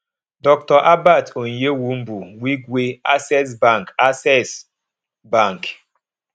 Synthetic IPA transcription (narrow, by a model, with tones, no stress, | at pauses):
dɔ˦k̚tɔ˨ʔa˦ba˦˨to˨n̩˨je˦wu˦m̩˦bu˨wi˦kwe˦a˦sɛ˦s̬ba˦˨ŋ˨ka˦sɛ˦˨s | ba˦˨ŋk